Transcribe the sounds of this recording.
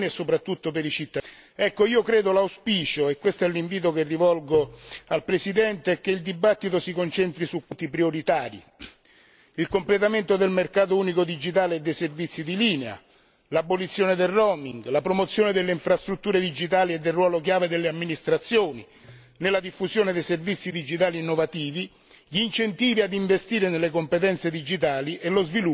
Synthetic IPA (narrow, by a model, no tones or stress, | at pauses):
niesːopɾat̪ːut̪ːopeɾit͡ʃit̪ː | ɛkːoiːokɾeːd̪olawspiːt͡ʃoɛkːwest̪ɛlːiɱviːt̪̬okerːivɔlɡoalpɾesid̪ɛnt̪eɛk̟ːeild̪ibat̪ːit̪osikont͡ʃɛnt̪ɾisukːut̪ːipɾioɾit̪aːɾḭ | ilkomplet̪̬ament̪od̪elmerkaːt̪̬ouːnikod̪id͡ʒit̪aːleːd̪ːejservit̪sːid̪iliːnea̰ | labolit̪sːjoːned̪elrɔmiŋɡlapɾomot̪sːjoːned̪elːeiɱfɾast̪ɾut̪ːuːɾed̪id͡ʒit̪aːlied̪ːelrwɔːlok̬jaːved̪elːeamːinist̪ɾat̪sːjoːni | nelːad̪ifːusjoːned̪ejservit̪sːid̪id͡ʒit̪aːliinːovat̪iːvi | ʎiːnt͡ʃent̪iːviad̪iɱvest̪iːɾenelːekompet̪ɛnt̪sed̪id͡ʒit̪̬aːliʔelːozvilu